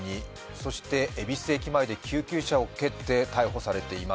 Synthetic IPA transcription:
ɲi | so̞ɕi̥t̪e̞ebʲise̞kʲimaid̪e̞kʲɨːkʲɨːɕaoke̞t̪ːe̞t̪aiɦo̞saɾe̞t̪e̞ima

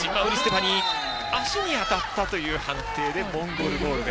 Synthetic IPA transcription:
imːaɯ̟ɾʲisɨ̥t̪epaɲ̟i | aɕɨɲ̟iak̪at̪ːat̪o̞jɯ̟ːhãnt̪e̞ːd̪e̞mõ̞nd̪oɾɯ̟bo̞ːɾɯ̟d̪e

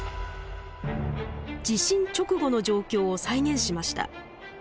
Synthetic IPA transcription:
d͡ʑiɕĩɲ̟t͡ɕo̞kɯ̟ɡo̞no̞d͡ʑo̞ːkʲo̞ːosainẽ̞ɰ̃ɕimaɕi̥t̪a̰

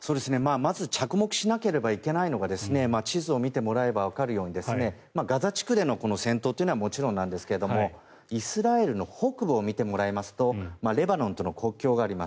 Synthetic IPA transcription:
so̞ːd̪e̞sɨne̞maːmazɨt͡ɕakɯ̟mo̞kɯ̟̥ɕinake̞ɾe̞baike̞naino̞ɡad̪e̞sɨne̞mat͡ɕizɨo̞mʲit̪e̞mo̞ɾae̞baβakaɾɯ̟jo̞ːɲ̟id̪e̞sɨne̞ | maːɡazat͡ɕi̥kɯ̟d̪e̞no̞ko̞no̞sẽ̞nt̪o̞t̪eiɯnoamo̞t͡ɕiɾõ̞nːãnd̪e̞sɨ̥ke̞ɾe̞d̪omo̞ | isɨɾae̞ɾɯ̟no̞ho̞kɯ̟bɯomʲit̪e̞mo̞ɾaemasɨ̥t̪o̞maɾe̞banõ̞nt̪o̞no̞kʰo̞ːkʲːo̞ːɡaːɾʲimas

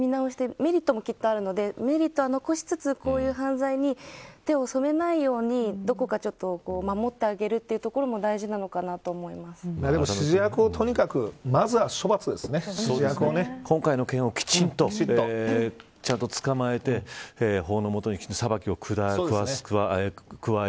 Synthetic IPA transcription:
mʲinao̞ɕ̬i̥t̪e̞me̞ɾʲit̪ːo̞mo̞kʲit̪ːo̞aɾɯ̟no̞d̪e̞me̞ɾʲit̪ːo̞βano̞ko̞ɕi̥t͡sɨt͡sɨko̞ːjɯ̟ːɦãnd͡zaiɲ̟it̪e̞o̞so̞me̞naijo̞ːɲ̟id̪o̞ko̞kat͡ɕo̞t̪ːo̞ko̞ːmamo̞t̪ːe̞aɡe̞ɾɯ̟t̪ːe̞iɯ̟t̪o̞ko̞ɾo̞mo̞d̪aiʑinano̞kanat̪o̞ːmo̞imasɨ̥mad̪eoɕiʑijakɯ̟ot̪ʰo̞ɲ̟ikakɯ̟mazɨaɕobat͡sɨd̪e̞sɨneoːjakɯonekõ̞ŋkaino̞kẽ̞ɰ̃o̞kʲi̥t͡ɕĩnt̪o̞ | t͡ɕãnt̪o̞t͡sɨ̥kamae̞t̪e̞eɦo̞ːno̞mo̞t̪o̞ɲ̟ikʲisabakʲio̞kʰɯ̟d̪aɯ̥kakɯ̟βa

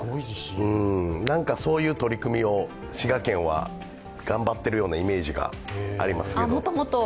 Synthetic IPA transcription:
iɯ̃ɴnãŋkaso̞ːjɯ̟ːt̪o̞ɾʲikɯ̟mʲio̞ | ɕiɡakẽ̞ɰ̃βa̰ | ɡ̥ãmbat̪ːe̞ɾɯ̟jo̞ːnaime̞ːʑiɡa̰ | aɾʲimasɨ̥kaemot̪omot̪o

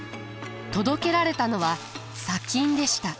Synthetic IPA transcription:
t̪o̞d̪o̞ke̞ɾaɾe̞t̪ano̞βa | sakʲːĩnd̪e̞ɕi̥t̪a

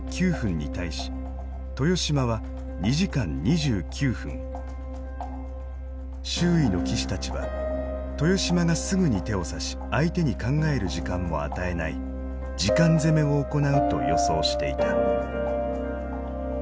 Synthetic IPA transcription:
kʲʰɨːɸɯ̟̃ɲ̟ːit̪aiɕi̥ | t̪o̞jo̞ɕimaβ̞a | ɲiʑikãɲɲiʑɨːkʲʰɨːɸɯ̟̰̃ŋ | ɕɨːino̞kʲiɕi̥t̪at͡ɕiβa̰ | t̪o̞jo̞ɕimaɡasɨɡɯ̟ɲ̟it̪e̞o̞saɕi̥ait̪e̞ɲ̟ikãŋɡae̞ɾɯ̟ʑikãmːo̞a̰t̪ae̞naḭ | d͡ʑikãnze̞me̞o̞ːko̞naɯ̟t̪o̞̰jo̞so̞ːɕi̥t̪e̞it̪a

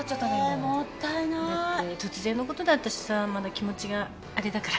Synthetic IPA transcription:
at͡ɕot̪ːanomot̪ːainat̪o̞t͡sɨzẽ̞nːo̞ko̞t̪o̞d̪eat̪ːaɕi̥samad̪akʲimo̞t͡ɕiɡaː | ɾet̪akaɾa

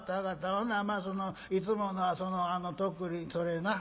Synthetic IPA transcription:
t̪ːaaɡat̪aonamasonoit͡sɨmonoasonoanot̪okɯɾʲisoɾena

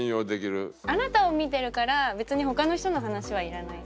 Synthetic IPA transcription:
joːd̪e̞kʲiɾɯ̟anat̪aomʲit̪̬e̞ɾɯ̟kaɾabe̞t͡sɨɲ̟iɦo̞kano̞çi̥t̪o̞no̞ɦanaɕiβ̞aiɾanai

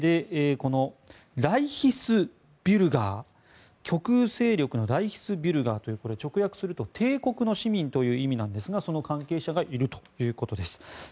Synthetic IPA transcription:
d̪e̞ːko̞no̞ | ɾaiçisɨ | b̥ʲiɾɯ̟ɡa̰ː | kʲʰo̞kɯ̟se̞ːɾʲjo̞kɯ̟no̞ɾaiçi̥sɨbʲiɾɯ̟ɡaːt̪o̞jɯ̟ːkoɾet͡ɕo̞kɯ̟jakɯ̟̥sɨɾɯ̟t̪o̞t̪ʰe̞ːko̞kɯ̟no̞ɕimʲĩnt̪o̞jɯ̟ːimʲinãnd̪e̞sɨɡaso̞no̞kãŋke̞ːɕaɡaʔiɾɯ̟t̪o̥jɯ̟ːko̞t̪o̞d̪e̞sɨ̥

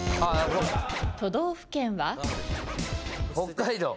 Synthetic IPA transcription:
aɾot̪o̞d̪o̞ːɸɯ̟̥kẽ̞ɰ̃βa | hokːaid̪o

